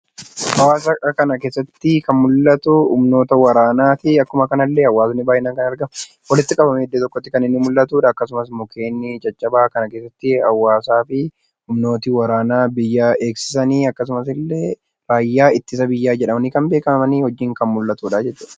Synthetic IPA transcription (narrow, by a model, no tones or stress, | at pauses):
hɐwaːsɐkɐnɐke̞ːsːɐt̪ːɪkɐnmʊlːɐt̪ʊʊ̰mno̞ːt̪ɐwɐɾaːnaːt̪ɪɐkːʊmɐkɐnɐlːeɐwːaːsɐnːɪbaːhɪnaːkɐnɐɾɡɐm | wɐlɪt̪ːɪkʼɐbɐmɛɪd̪ːeːt̪ɔkːɔt̪ːɪkɐnɪnːɪmʊlːɐt̪uːᶑɐːkːɐs̬ʊmɐsmʊkʰe̞ːnːɪt͡ʃʼɐt͡ʃʼːɐbaːkɐnɐkeːsːɐt̪ːɪhɐ̰wːaːsaːfɪ | hʊmno̞ːt̪ɪwɐɾaːnaːbɪjːaːʔe̞ːksɪ̥sɐniːɐkːɐs̬ʊmɐsɪlːe | ɾaːjːaːɪt̪ːɪs̬ɐbɪjːaːd͡ʒɛᶑɐmɐnɪkɐnmbeːkɐmɐmɐniːhɔd͡ʒːɪːŋkɐnmʊlːɐt̪uːᶑɐd͡ʒɛt͡ʃːʊᶑɐ̥